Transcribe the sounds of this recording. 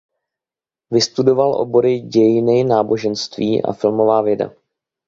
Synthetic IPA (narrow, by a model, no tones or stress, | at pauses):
vɪst̪udo̞valʔo̞̰bo̞ɾɪɟɛjɪnɪnaːbo̞ʒɛnst̪viːʔa̰fɪlmo̞vaːvjɛda̰